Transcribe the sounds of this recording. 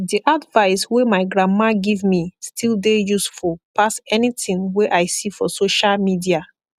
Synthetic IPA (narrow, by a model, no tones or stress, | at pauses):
diʔadvaɪswemaɪɡɹãmmaɡivmistʰilˠdejusfulpʰasɛnitĩŋweʔaɪsifɔsoʃalmidia